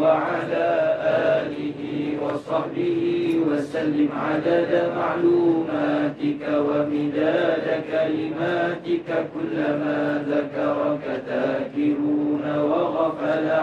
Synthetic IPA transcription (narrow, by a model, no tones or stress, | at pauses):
waʕalaːʔaːlɪɦiːwɑsˤɑħbɪhiwasalːɪmʕad̪ad̪amaʕluːmaːt̪ɪkawamɪðaːdakalɪmaːt̪ɪkakʊlːamaːðakɑɾˤkaðaːkɪɾuːnawaɣafala